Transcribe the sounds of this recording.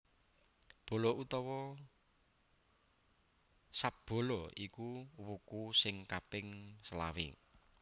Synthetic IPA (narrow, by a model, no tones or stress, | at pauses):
b̥o̤lɔut̪ɔwɔ | sap̚b̥o̤lɔikuwukusɪŋkapɪŋsəla̰wḭ